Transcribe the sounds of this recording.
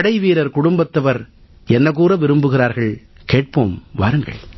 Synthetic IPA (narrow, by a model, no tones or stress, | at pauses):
ɽɐɪʋiːɾɐɾkʊɽʊmbɐt̪ːɐʋɐɾ | ɛnːɐɣuːɾɐʋɪɾɯmbɯɣɪɾaːɾɣɐɭ | keːʈ̚poːmʋa̰ːɾɯŋɡɐ̰ɭ